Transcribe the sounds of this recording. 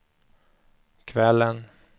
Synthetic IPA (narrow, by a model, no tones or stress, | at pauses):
kʰvɛlːən